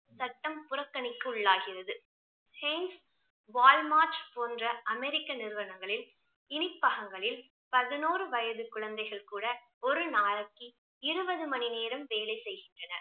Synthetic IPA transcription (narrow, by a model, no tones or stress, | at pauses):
sɐʈːɐmpʊrɐkːɐnɪkːɯʊɭːaːɣɪrɐðɯ | hɛɪns | ʋaːlmaːɾt͡ʃpoːndrɐʔɐmɛɾɪkːɐnɪɾɯʋɐnɐŋɡɐɭɪl | ɪnɪpːɐɣɐŋɡɐɭɪl | pɐðɯnoːrɯʋɐjɐðɯkʊɻɐnd̪ɐɪɣɐɭkuːɽɐ | ɔɾɯnaːɾɐkːi | ɪɾɯbɐðɯmɐnineːɾɐmʋeːlɐɪsɛjɣɪndrɐnɐɾ